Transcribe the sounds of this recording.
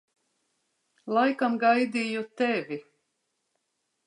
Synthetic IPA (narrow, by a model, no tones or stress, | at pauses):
lˠajkamɡajd̪iːjut̪ɛvʲi